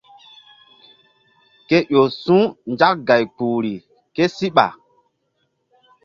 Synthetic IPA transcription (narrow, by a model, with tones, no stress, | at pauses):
ke˦jo˨sũ˦nd͡ʒa˦k̚ɡa˨jk͡pu˨ɾi˨ | ke˦si˦ɓa̰˨